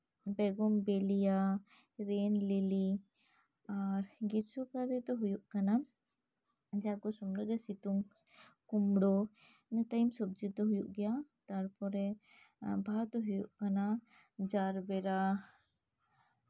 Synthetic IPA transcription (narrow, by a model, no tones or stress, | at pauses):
bɛɡɔmbɛlija | ɾɛnleli | aɾɡiɾsɔkaɾɛt̪ɔɦujuʔkana | d͡ʒaɡɔsɔmɽɔd͡ʒɛsit̪um | kumɽɔ | mɛt̪ajmsɔb̚d͡ʒit̪ɔɦujuʔɡɛjat̪aɾpɔɾɛ | bʱat̪ɔɦujuʔkana | d͡ʒaɾbɛɾa